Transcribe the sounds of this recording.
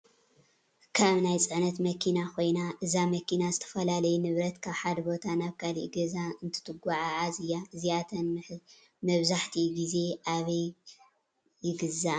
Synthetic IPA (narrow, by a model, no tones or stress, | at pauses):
kʰaβnajt͡sʼɨʕnɐt̪mɐkʰinakʰo̞jnaʔɨzamɐkinazɨt̪ʰɐ̥fɐlalɐjunɨβɾɐt̪kʰaβħad̪ɐbo̞t̪ʰanaβkʰalḭʔɡɐzaɨnt̪ʰɨ̥t̪ʰɨɡʷaʕaʕazɨjaɨzijat̪ʰɐnm | mɐβzaħt̪ʰiɡize̞ʔaβɐj | jɪɡɨza